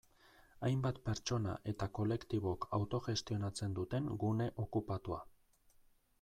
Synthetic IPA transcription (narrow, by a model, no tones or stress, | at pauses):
ajmbat̪pe̞ɾt͡ʃo̞na̰ʔe̞t̪ako̞le̞kt̪iβ̞o̞kawt̪o̞ʝe̞st̪io̞nat͡se̞nd̪ut̪e̞ŋɡune̞ʔo̞kupat̪ua̰